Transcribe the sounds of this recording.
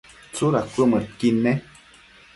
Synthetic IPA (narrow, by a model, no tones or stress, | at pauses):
t͡suɾakʷəmətkinɛ